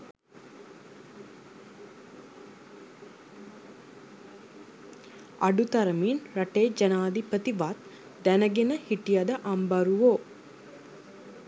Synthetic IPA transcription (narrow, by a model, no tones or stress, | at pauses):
aɖut̪ɐɾəminɾɐʈeːd͡ʒɐnaːd̪ipət̪iʋat̪ | d̪ænəɡenəhiʈijad̪əʔambaɾuʋo